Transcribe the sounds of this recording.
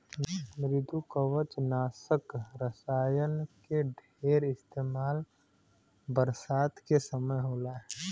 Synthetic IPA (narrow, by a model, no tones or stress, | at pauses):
mɾɪd̪ʱukəwət͡ʃnaːsəkɾəsaːjənkeɖʱ | eːɾɪst̪eːmaːl | bəɾsaːt̪kesəməjɦoːlaɦɛ